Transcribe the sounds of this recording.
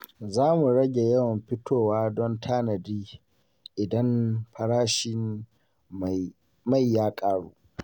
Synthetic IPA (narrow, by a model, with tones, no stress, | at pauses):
zaː˦mu˨ɽɐ˦ɡʲe˨jɐ˦wɐ˨mɸɪ˦tʰoː˦˨waː˦dɔ˦ntʰaː˦nɐ˨diː˦ | ʔɪ˨dɐ˦mɸɐ˨ɽaː˦ʃɪ˦˨ | ma˦˨jːaː˦kʼaː˦ɽṵː˦ʔ